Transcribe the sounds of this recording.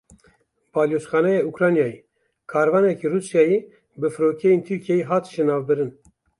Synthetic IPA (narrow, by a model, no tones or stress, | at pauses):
bɑːljoːsxɑːnɛjeːukɾɑːnjɑːji | kʰɑːɾvɑːnɛkiruːsjɑːjeː | bɨfɨɾoːkʰɛjent̪ʰyɾkʰiɛjiɦɑːt̪ʒenɑːvbɨɾɨn